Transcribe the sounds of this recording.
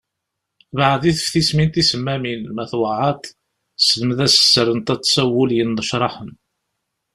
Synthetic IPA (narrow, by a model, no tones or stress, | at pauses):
βaʕðiθə̥fθismint̪isəmːæminmæθwɑʕɑt̪ | sðəməðæsə̥sːəɾənt̪æt͡sːsæwəljənðəʃɾˤɑħən